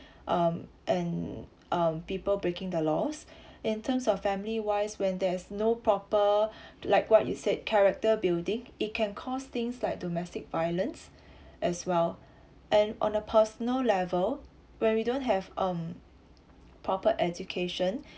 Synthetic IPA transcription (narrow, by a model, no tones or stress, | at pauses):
ʔʌm | ʔɛ̃n | ʔʌ̃mpipəlbɹekɪ̃ŋdəlɔsʔĩntʰəmsɔfːɛ̃mliwaɪswɛ̃ndɛsnopʰɹɔpəlaɪkwɔt̚jused̚kʰɛɹɛk̚təbildɪ̃ŋit̚kʰɛ̃nkʰɔst̪ɪ̃ŋslaɪk̚domɛstɪk̚vajələ̃ns | ʔɛswɛl | ʔɛ̃nʔɔ̰̃nəpʰəsənəllɛvəl | wɛ̃nwidõnɦɛvʔʌ̃m | pʰɹɔpəʔɛd͡ʒukʰeʃə̃n